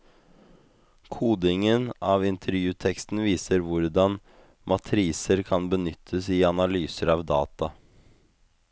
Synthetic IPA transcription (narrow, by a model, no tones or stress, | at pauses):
kʰuːd̪ɪŋənɑːʋɪnt̪ʰəɾjʉːt̪ʰɛkst̪n̩ʋiːsəɾʋʊɾd̪ɑn | mʔɑt̪ʰɾiːsəɾkʰɑnbənʏt̪ʰːəsɪɑnɑlyːsəɾɑːʋd̪ɑːt̪ɑ